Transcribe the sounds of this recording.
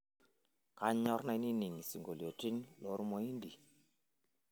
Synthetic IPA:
ka˦ɲ˦ɲɔ˦ɾna˦˧˦ni˦ni˨ŋi˨si˨ŋɡo˨li˨o˨ti˦nlo˨˦ɾmo˦i˦ndi˨

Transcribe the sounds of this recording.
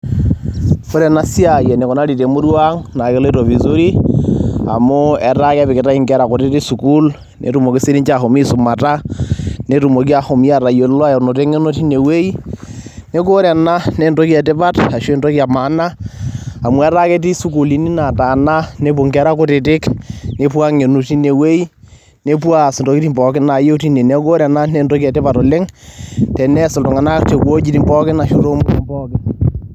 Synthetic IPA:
o˦ɾɛ˨na˦si˦a˨jɛ˨ne˨ko˨na˦ɾi˨te˨mo˦ɾwa˦ŋna˨ke˨le˦ɾo˨vi˨zo˦ɾi˦ | a̰˨mo˦ɛ˨ɾa˦ka˦βi˨ke˨ta˦i˦ŋkɛ˦ɾa˨ko˨te˦ti˦su˨ku˦l | nʔḛ˨tu˨mo˨ki˦si˦ɾi˦ɲt͡ʃa˨ho˨mi˦su˨ma˨ta˦ne˦tu˨mo˨k̬i˦a˦ho˨mi˦a˨ɾa˨jo˨lwa˦ja˨no˨te˦ŋe˦no˦ti˦ne˨we˦i˦ | ne˦k̬o˦ɾɛ˨na˦ne˦nto˦kja˨te˦pa˦ta˨ʃo˦˨ndo˦ki˦a˨ma˨˦na˦a˨mwa˦ɾa˦ke˦t̬i˦su˦ku˨li˦ni˦na˨taː˨na˦ne˦po˨ŋɡɛ˦ɾa˦kʊ˦tɪ˨tɪ˦kne˨pwa˦ŋe˨nu˨ti˦ne˨we˦i˦ | ne˦p̬wa˦snto˨ki˦ti˦mbɔ˨kɪ˦na˨jo˦ti˦ne˨nɛ˦ɡo˦ɾa˨na˦nɛ˦ndo˦ki˦ɛ˨tɪ˦pa˨tɔ˨lɪ˦ŋtɛ˨nɛ˦sɪ˨lto˨ŋa˨na˦kte˨po˦d͡ʒi˨ti˨mbɔ˦kɪ˦na˨ʃo˦ɾo˦mbʊ˦ɾi˨mbɔ˦kɪ˦n

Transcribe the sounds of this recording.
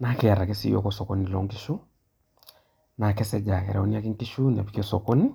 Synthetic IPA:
na˦kɛa˨ɾa˨kɛ˦sḭ˦jɔ̰˦kɔsɔ˨konilɔŋɡi˦ʃu˦ | na˨kɛ˦sɛ˦d͡ʒa˨kɛ̰˨ɾɛɔ˦nia˦ki˦ŋki˦ʃu˦nɛ˨pi˨ki˦ɔ˦sɔko˦ni˦

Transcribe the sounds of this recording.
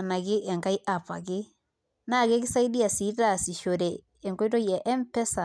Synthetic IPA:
na˨kɪ˦ʔɛ˨ŋka˦i˦ʔa˨pa̰˨k̬ɪ˦ | na˦˨kɛ˦k̬ɪ˦sa˦i˦di˦a˨si˨˦ta˦˨si˨ʃo˨ɾɛ˨ | ɛ˨ŋko˦i˦to˦jɛ˨ʔɛ˦mpɛ˦sa˨

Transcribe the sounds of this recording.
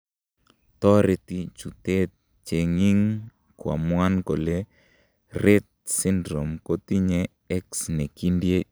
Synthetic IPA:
t̪ɔ˦ɾe˨t̪i˨t͡ʃu˨tɛ˦t̚ | t͡ʃe˨ŋi˦ŋ | kwa̰˨mwa˦nko˨le˦ | rɛ˦t̪̚si˦ndɾɔ˨mko˦t̪i˦ɲɛ˦ | ɛ˦ksnɛ˨ki˦ndje˦

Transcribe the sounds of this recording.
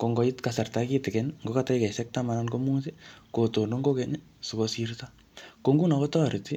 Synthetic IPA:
ko˨ŋɡɔ˨itkasa˨rtaki˦tɛ˨kɛ˦nŋɡo˦kata˦jka˨isɛk̚tama˨nanko˦mu˦sekoto˨ndo˦ŋɡo˦kɛni | su˨kosirta | koŋɡu˦na˨kɔ˦tɔ˨ɾi˨ti˦

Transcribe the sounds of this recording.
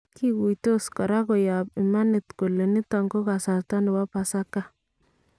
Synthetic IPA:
ki˦ku˨jto˦skɔ˨ɾa˦kɔ˨ja˨pɪ˨ma˦nɪ˨tko˨le˨nɪ˦ta˨ŋɡo˦ka˨sa˨rta˦nɪ˨wa˦pa˨sa˦ka˦

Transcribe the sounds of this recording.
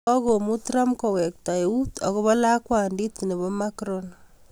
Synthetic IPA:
ɔ˦ko˨mu˦tɾa˦mko˨wɛ˨k̚ta˨e˨utɔ˨kɔ˦βɔ˦la˦kwa˨ndi˦tne˨βɔ˦makɾon

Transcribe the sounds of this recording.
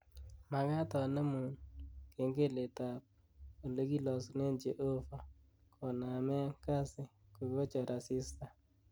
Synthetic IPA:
ma˨ŋa˦tɔ˨ne˦mu˨nke˨˦ŋɡe˦˨le˨ta˨p̚ | o˨le˦ki˦lɔ˨sne˦nt͡ʃe˨ʔo˦fa˨ | kʰɔ˨na˨mɛ˦ŋka˦sɪ˨ko˨˦o˦t͡ʃɔ˨ɾʔa˨si˦sta˦

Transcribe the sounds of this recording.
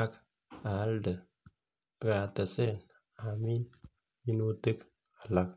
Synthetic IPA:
a˦k | a˨˦ldə˨ | ɡa˨t̪ɐ˨se˦n | ami˦n | mi˦nut̪ɨ˦k | a˨la˦k̚

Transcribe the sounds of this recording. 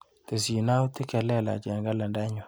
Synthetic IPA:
t̪e˨si˨na˦t̪ɪ˦kɛ˨lɛ˦˨la̰˨d͡ʒɛ˨ŋɡa˦la˨nda˦ɲɔ˨

